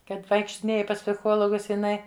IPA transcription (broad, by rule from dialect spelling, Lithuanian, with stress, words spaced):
ˈkɐt ʋɐɪkʃʲtʲɪˈnʲeːjɪ pɐs pʲsʲɪˈxoːlˠoːɡʊs jɪˈnɐɪ